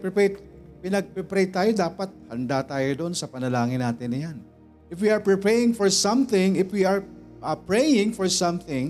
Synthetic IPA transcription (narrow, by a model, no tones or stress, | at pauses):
pɪpɛpɪnɐɡ̚pɛpɾɛjt̪aːjod̪aːpɐt̪̚hɐnd̪at̪aːjod̪o̞nsɐpɐnɐlaːŋɪnːaːt̪ɪnːɐjan | ʔɪfwiɐɹpɹɪpɛɹɪŋfɔɹsɐ̃mθɪ̃ŋɪfwiɐɹ | ʔpɹɛjɪ̃ŋfɔɹsɐ̃mθɪ̃ŋ